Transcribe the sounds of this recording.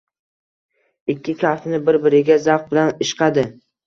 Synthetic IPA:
ɪkʲːɪkʲʰafnɪbɪɾbɪɾɪɡʲazaq̚bɪlanɪʃqʰɑd̪ɪ

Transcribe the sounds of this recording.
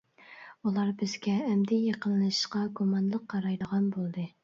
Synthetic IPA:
ulˠɑɾbɪzɡʲɛːmd̪ɪjeqənlˠɨʃɨ̥ʃqɑɡumɑnlˠəqʰːɑɾɑjd̪əʁɑnbolˠd̪ɨ

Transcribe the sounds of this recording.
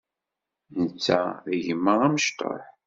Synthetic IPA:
nət͡sːæðəʝəmːəʁæməʃt̪ˤo̰ħ

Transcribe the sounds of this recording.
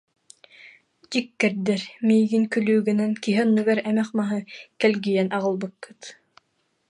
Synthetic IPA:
d͡ʑikːɛɾd̪ɛɾmiːɡinkylyːɡynɛnkiɦɛnːuɡaɾɛmɛχmaɦɯkɛlɡijɛnʔaʁɯ̆lˠbɯkːɯt̪

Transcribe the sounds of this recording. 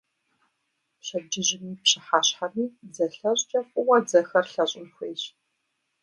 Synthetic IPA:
ɕɐd͡ʒɪʑɪmiːpɕɪħaːɕħaniːd͡zɐɬɐɕʼt͡ʃʼɐfʷʼʊwɐd͡zɐxɐrɬɐɕʼɪnxʷeːɕ

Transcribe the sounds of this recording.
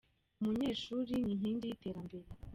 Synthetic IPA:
umuɲe̞ːʃuːɾiɲiɲiːndijite̞ːɾambe̞ɾe

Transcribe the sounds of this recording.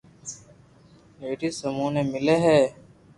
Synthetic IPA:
eːʈisəmũːneːmɪleɦɛː

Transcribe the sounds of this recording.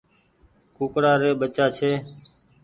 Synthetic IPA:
kuːkɽaːɾeːɓət͡ʃaːt͡ʃʰeː

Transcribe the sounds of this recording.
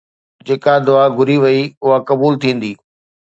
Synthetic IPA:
d͡ʑeːkad̪ʊaːɡʱʊɾiʋɐiʊɦakɐbuːlt̪ʰĩːn̆d̪iː

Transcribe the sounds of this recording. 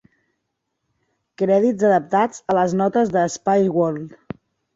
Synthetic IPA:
kɾɛðizəðəp̚t̪ad͡zələznɔt̪əzðəːspajɣol

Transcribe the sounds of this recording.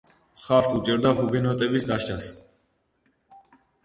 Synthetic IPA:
χaɾsut͡ʃʼɛɾd̪aɦuɡɛnɔt̪ʼɛbisd̪aʃt͡ʃas

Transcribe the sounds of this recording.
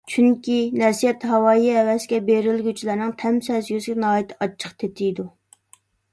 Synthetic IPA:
t͡ʃʰyŋkʲinɛsijɛt̪ɦɑwɑːjiɛwɛsɡʲɛbeɾɪlɡʲyt͡ʃʰilæɾnɨŋt̪ʰɛmsɛzjøzɡʲɛnɑːjit̪ʰɪ̥ɑt͡ʃʰːə̥qt̪ʰet̪ʰɪjd̪u

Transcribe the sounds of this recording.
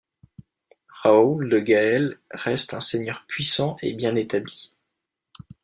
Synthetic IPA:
ʁauld̪əɡaɛlʁɛst̪ɛ̃seɲœʁpɥisɑ̃ʔḛbjɛ̃net̪abli

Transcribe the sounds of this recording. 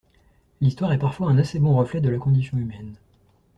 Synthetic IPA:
list̪waʁɛpaʁfwaɛ̃nasebɔ̃ʁəflɛd̪əlakɔ̃d̪isjɔ̃ymɛn

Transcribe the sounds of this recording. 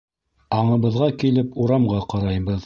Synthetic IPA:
ɑɴɤ̆βɤ̆ðʁɑkilɘpuɾɑmʁɑqɑɾɑjbɤð

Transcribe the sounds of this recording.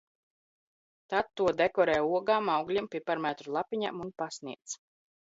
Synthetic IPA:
t̪at̪ːuɔd̪ekɔɾɛːjuɔɡaːmawɡlʲimpʲiɛpaɾmat̪ɾulˠapiɲa̰munpasniɛt̪s

